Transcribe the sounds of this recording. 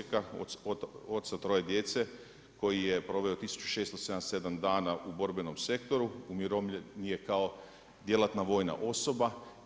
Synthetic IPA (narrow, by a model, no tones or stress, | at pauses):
kaoo̞t̪sat̪ɾo̞je̞d̪je̞t̪se | ko̞jijepɾo̞ʋeo̞t̪isu̥t͡ɕu̥ʃeːst̪oseanse̞d̪amd̪aːnaʔubo̞ɾbeno̞mse̞kt̪o̞ɾuumiɾomʎenije̞kao̞ | d̪je̞lat̪naʋo̞ːjna̰ʔo̞so̞ba